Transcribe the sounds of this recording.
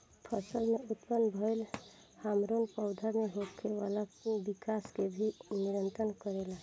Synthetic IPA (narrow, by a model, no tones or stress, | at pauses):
pʰəsəlmeut̪pənbʱəjl | hamɾonpəʊd̪ʱameɦokʰeʋalabikaskebʱiniɾənt̪ɾənkəɾela